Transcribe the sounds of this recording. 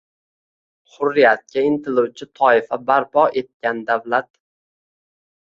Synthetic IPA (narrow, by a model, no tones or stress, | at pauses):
χʊɾːɪjat̪̚kʲaɪnt̪ʰɪluwt͡ʃʰɪt̪ʰɒɪfabaɾpʰɒe̞t̪̚kʲand̪awlat̪